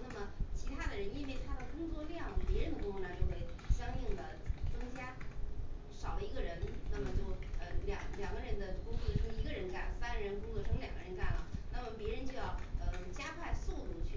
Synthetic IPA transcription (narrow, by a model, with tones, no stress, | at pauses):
na˥˩mə˩t͡ɕʰi˧˥t̪ʰa˥d̪ə˨ɻə˧˥ni˥nwe˥˩ɪt̪ʰa˥d̪ə˨kʊ˥ŋt͡swɔ˥˧ljɑ˥˩ŋə˩pjɛ˧˥ɻə˧˥nd̪ə˧kʊ˥ŋfu˥˩nə˧˩t͡ɕjo˥˧ʊxwe˥˩ɪɕjɑ˥ŋi˥˩ŋd̪ə˩t͡sɤ˥ŋt͡ɕja˥ | ʂɑ˨˩ʊlə˦i˧˥ɡə˧ɻə˧˥nna˥˩mə˩t͡ɕjo˥˩ʊə˩ljɑ̰˨˩ŋljɑ˨˩ŋɡə˦ɻə˧˥nd̪ə˧kʊ˥ŋkɤ˥˩d̪ə˩ʂʰɤ˥ŋi˧˥ɡə˧ɻə˧˥nka̰˥˩nsa˥nɻə˧˥nkʊ˥ŋkʰɤ˥˧˩ʂʰɤ˥ŋljɑ˨˩ŋɡə˦ɻə˧˥nka̰˥˩nlə̰˩na˥˩mə˩pjɛ˧˥ɻə˧˥nt͡ɕjo˥˧ʊjɑ˥˩ʊə˧t͡ɕja˥kʰwa˥˧ɪsu˥˧t̪u˥˩t͡ɕʰy˥˩